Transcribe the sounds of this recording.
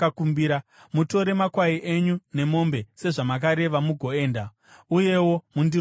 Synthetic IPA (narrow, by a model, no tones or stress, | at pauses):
akumbiɾa | muto̞ɾe̞makwaiʔe̞ɲune̞mo̞mbe̞se̞ʐamak̬aɾe̞ʋamuɡʱo̞e̞ːnda | uje̞wo̞mundi